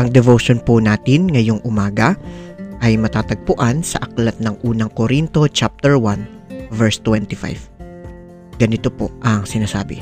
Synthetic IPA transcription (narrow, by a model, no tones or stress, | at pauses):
ʔɐŋd̪ɛvowʃonpʊnaːt̪ɪnŋɐjo̞ŋʔʊmaːɡɐʔɐjmɐt̪aːt̪ɐɡ̚pʊʔansɐʔɐklɐt̪̚nɐŋʔuːnɐŋkoɾint̪o̞t͡ʃap̚t̪ɛɹwan | vɛɹst̪wɛnt̪ɪfa̰jv | ɡ̥ɐnɪt̪opoʔɐŋsɪnaːsa̰ːbɪ